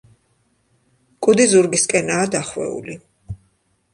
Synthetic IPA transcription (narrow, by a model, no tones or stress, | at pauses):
kʼud̪izuɾɡiskʼɛnaːd̪aχwɛ̰ṵli